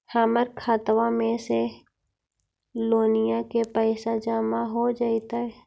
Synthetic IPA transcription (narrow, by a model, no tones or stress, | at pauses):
haːməɾkʰaːt̪wamẽse | loːnijakepɛɪsad͡ʒaːmaɦod͡ʒaːit̪aɦɛ